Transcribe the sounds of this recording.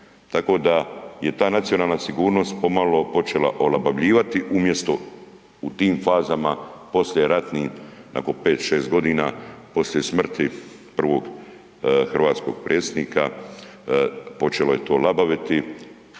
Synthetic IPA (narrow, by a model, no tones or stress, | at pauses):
t̪ako̞ːd̪aje̞t̪aːnat̪sio̞naːlˠnasiɡuːɾno̞st̪̚po̞malo̞po̞t͡ʃe̞la̰ʔo̞labaʋʎiːʋat̪iʔumje̞st̪o̞ | ut̪iːmfaːzamapo̞slʲjeɾat̪niːna̰ko̞npe̞ːt̪ʃeːst̪ɡo̞d̪iːnapo̞slje̞smr̩t̪i | pr̩ʋo̞ɡ | xr̩ʋaːt̪sko̞̰ɡ̥̚pɾʔet̪sd̪niːka | po̞t͡ʃe̞lo̞je̞t̪o̞ːlabaʋit̪i